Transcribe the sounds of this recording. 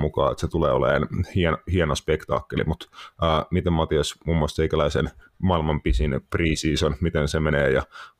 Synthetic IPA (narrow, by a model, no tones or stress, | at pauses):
mukɑ̰ːet̪set̪uleːolḛːnhienhienospekt̪ɑ̰ːkːelḭmut̪əːmit̪emmɑt̪iɑsmuːmːuɑlst̪eikælæisen | mɑilmɑmpisinpriːsiːsonmit̪ensemeneːjɑ